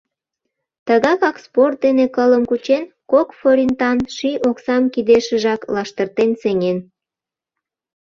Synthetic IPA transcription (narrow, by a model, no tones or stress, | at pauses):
t̪əɣɑkɑksport̪̚d̪enekələmkut͡ɕen | kokfoɾʲint̪ɑnʃioksɑmkid̪eʃəʒɑklɑʃt̪ərt̪enseŋen